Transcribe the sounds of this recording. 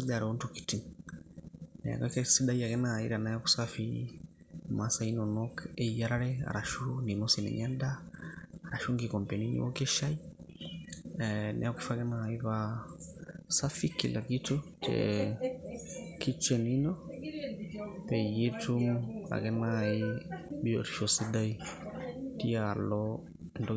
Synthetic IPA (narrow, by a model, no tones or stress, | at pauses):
daɾɛɔntuki̥tim | nɛ̰a̰kakɛsiɗaiakɛnaːḭɾanajaku̥safi | masainɔnɔkɛijaɾaɾɛa̰ɾaʃuninɔsinɛ̰ɲanda | aɾaʃuŋɡikɔmpɛninḭwɔ̰kɛʃai | nʔɛ̰akufakɛnaiβa | safikːilʔakitotɛ̰ | kit͡ʃeninɔ | pejetuma̰kɛnaibijo̰ɾʃosidaj | tialɔ | ndɔ